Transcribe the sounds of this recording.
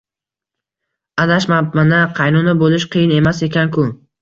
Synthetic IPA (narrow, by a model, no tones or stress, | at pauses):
ad̪aʃmamanaqʰɑjnunabolɪʃqʰɨjɪne̞mase̞kʲankʰʊ